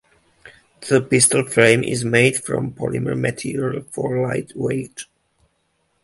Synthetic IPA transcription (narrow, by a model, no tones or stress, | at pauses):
ðəpɪstəl̩ˠfɹẽɪ̃mʔɪ̰zmeɪd̥fɹɔ̰̃mpʰɔlɪmə̰˞mɨtʰiɹəlˠfɔɹlaɪtʰweɪt